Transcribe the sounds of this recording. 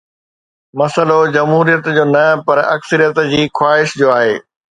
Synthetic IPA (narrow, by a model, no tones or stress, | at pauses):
mɐsəlod͡ʑɐmɦuːɾijət̪d͡ʑoːnɐpɐɾɐ̰ksəɾijət̪d͡ʑiːxwaːɪʃd͡ʑoːaːɦeː